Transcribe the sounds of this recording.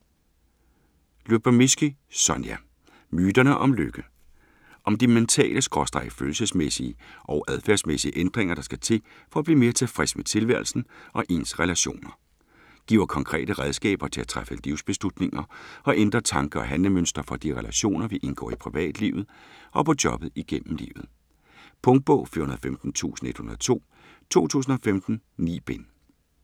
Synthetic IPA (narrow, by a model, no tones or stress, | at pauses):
lub̥æmysɡ̥isɒnjæ | myːd̥ɐnəʔɒ̽mløɡ̥ə | ʔɒ̽md̥iment͡sʰɛ̰ːləsɡ̥ʁɒ̽sd̥ʁɑ̈ɪ̥føːl̩səsmesiəʔɒʊʔæð̞ˠfæɐsmesiəʔend̥ʁeŋɐɾ̥ɑ̈sɡ̥æt͡sʰe̝̰ | fɒ̽æb̥liːme̝ːɐt͡sʰe̝lfʁɛsmet͡sʰe̝lʋæɐ̰lsn̩ʔɒ̽ʔe̝̰nsʁɛlæɕo̝̰ːnɐ | ɡ̥ḭːʊɐkʰɒ̽ŋkʰʁɛ̰ːɾ̥əʁɛðˠsɡ̥ɛ̰ːb̥ɐt͡sʰe̝læt͡sʰʁafəliʊsb̥e̝slud̥ne̝ŋɐɒ̽ʔend̥ʁɐt͡sʰɑ̈ŋɡ̥ɐɒ̽ɦænləmønsd̥ɐfɒ̽d̥iʁɛlæɕo̝̰ːnɐʋiʔe̝nɡ̥ɒ̰ːipʰʁiʋɛ̰ːd̥liːʊð̞̩ˠʔɒ̽pʰɒ̽d̥jɒ̽b̥ð̞̩ˠiɡ̥en̰m̩lḭːʊð̩ˠ | pʰɔ̽ŋd̥̚b̥ɔʊ̰fḭɐhunɐðˠfemd̥n̩t͡sʰṵːsn̩e̝d̥hunɐðˠt͡sʰo̝̰ː | t͡sʰo̝̰ːt͡sʰṵːs̬n̩ɒ̽femd̥n̩nḭːb̥en